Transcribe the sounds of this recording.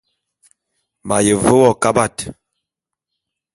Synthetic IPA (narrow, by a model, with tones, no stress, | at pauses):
ma˨jə˨və˦wɔ˦˨ka˦ba˦˨t